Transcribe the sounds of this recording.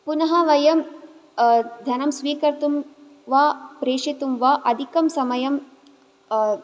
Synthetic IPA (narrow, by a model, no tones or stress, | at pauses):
punɐɦɐʋɐjɐm | d̪ʱjɐnɐmsʋiːkɐɾt̪um | ʋaːpɾeːʂit̪umʋaːʔɐd̪ʱikɐmsɐmɐjɐm